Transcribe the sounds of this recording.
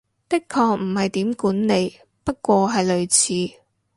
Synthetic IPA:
pɪ˥kʰːɔː˧k̚m̩˨˩hɐ˨jt̪iː˨˥mkuː˨˥nne˨˧j | pɐ˥t̚kʷɔː˧ɦɐ˨jlɵ˨ɥt͡sʰiː˨˥

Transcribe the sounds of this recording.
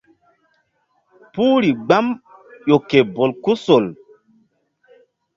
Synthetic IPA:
puː˦ɾi˨ɡ͡ba˦mjo˨ke˨bo˨lku˦so˨l

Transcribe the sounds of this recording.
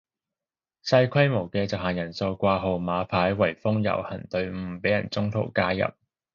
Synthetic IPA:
sɐ˧jkʷʰɐ˥jmo˨˩wkɛː˧t͡sɐ˨wɦaː˨˩jɐ˨˩nso˧wkʷaː˧ɦo˨wmaː˨˧pʰaː˨˥jwɐ˨˩jfʊ˥ŋjɐ̰˨˩whɐ˨˩nt̪ɵ˧ɥm̩˧˥pe˨˥jɐ˨˩nt͡sʊ˥ŋt̪ʰo̰˨˩wkaː˥jɐ̰˨p̚

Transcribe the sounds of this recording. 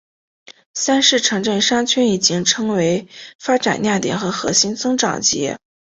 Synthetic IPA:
sa˥nʂɻ̩˥˩ʈ͡ʂʰɤ˧˥ŋʈ͡ʂə˥˩nʂa˥ŋt͡ɕʰɥɛ˥ni˨˩t͡ɕi˥ŋʈ͡ʂʰɤ˥ŋwe˧˥ɪfa˥ʈ͡ʂa̰˨˩nja˥˩t̪jɛ˨˩nxɤ˧˥xɤ̰˧˥ɕi˥nt͡sɤ˥ŋʈ͡ʂɑ̰˨˩ŋt͡ɕjɛ̰˧˥

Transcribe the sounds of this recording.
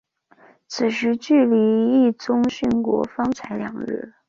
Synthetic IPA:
t͡sʰɹ̩˨˩ʂɻ̩˧˥t͡ɕy˥˩li˧˥i˥˩t͡sʊ˥ŋɕy˥˩nkwɔ̰˧˥fɑ˥ŋt͡sʰa˧˥ɪljɑ̰˨˩ŋɻ̩̰˥˩

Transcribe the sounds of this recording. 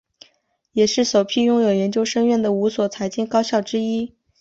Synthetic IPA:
jɛ˨˩ʂɻ̩˥˩ʂo˨˩ʊpʰi˥˧jʊ˥ŋjo˨˩ʊjɛ˧˥nt͡ɕjo˥ʊʂɤ˥ŋɥɛ˥˩nd̪ə˩u˧˥swɔ˨˩t͡sʰa˧˥ɪt͡ɕi˥nkɑ˥ʊɕjɑ˥˩ʊʈ͡ʂɻ̩˥i˥

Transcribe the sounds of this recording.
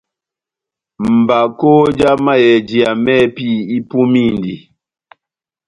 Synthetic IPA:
m̩˨ba˨ko˦d͡ʒa˦ma˦jɛ˨d͡ʒi˨a˨mɛ˦pi˦i˦pu˦mi˦˨ndḭ˨

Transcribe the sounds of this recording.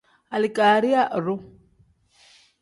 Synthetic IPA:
a˨lɪ˨kʼaɾi˦a˦ʔrʊ˦

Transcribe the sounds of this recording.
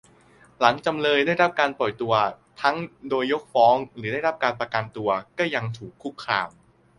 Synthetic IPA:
la˩˦ŋt͡ɕa˧mlɤː˧jdaː˥˩jɾa˦˥p̚kaː˧npɔ˨˩jt̪u˧ɐ | t̪ʰa˦˥ŋdoː˧jːo˦˥k̚fɔː˦˥ŋɾɯː˩˦daː˥˩jɾa˦˥p̚kaː˧npɾa˧ka˧nt̪u˧ɐkɔː˥˩ja˧ŋt̪ʰuː˨˩kʰːu˦˥˩kʰːɾaː˧m

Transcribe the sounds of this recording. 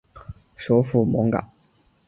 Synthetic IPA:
ʂo˧˥ʊfu˥˩mɔ˧˥ŋka̰˨˩˦

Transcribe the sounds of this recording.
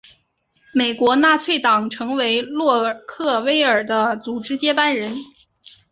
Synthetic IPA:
me˨˩ɪkwɔ˧˥na˥˧t͡sʰwe˥˩ɪt̪ɑ˨˩ŋʈ͡ʂʰɤ˧˥ŋwe˧˥ɪlwɔ˥˧kʰɤ˥˩we˥ɪə˞˨˩d̪ə˦t͡su˨˩ʈ͡ʂɻ̩˥t͡ɕjɛ˥pa˥nɻə˧˥n

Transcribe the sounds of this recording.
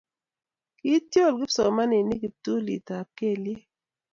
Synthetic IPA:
ki˦tjo˦˨lɡɪ˦sɔ˨ma˦nɪ˨ni˦ɡi˨tu˦lḭ˨ta˨ke˦˨lje˦

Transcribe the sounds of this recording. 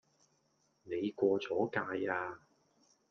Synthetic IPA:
ne˨˧jkʷɔː˧t͡sɔː˨˥kaː˧jaː˧

